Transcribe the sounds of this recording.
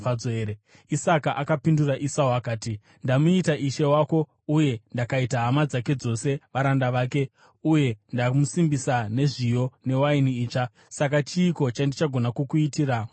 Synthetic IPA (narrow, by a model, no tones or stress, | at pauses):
aoeɾe | isakaʔakapinduraʔisawakaːti | ndamuitaʔiʃe̞wako̞ | uje̞ndakaitaɦamad͡zake̞d͡zo̞se̞ʋaɾandaʋaːke̞ | uje̞ndamusimbisane̞ʐijo̞ne̞wainiiːt͡ʂa | sakat͡ʃiːko̞t͡ʃandit͡ʃaɡʱo̞nakukuitiːra